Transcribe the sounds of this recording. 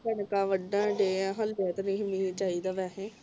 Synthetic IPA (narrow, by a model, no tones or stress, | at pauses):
kəɳkãːʋəɖːãːɖeːãːɦəlbɛːt̪nĩːɦɪmiːnt͡ʃaːiːd̪aːʋɛːɦẽː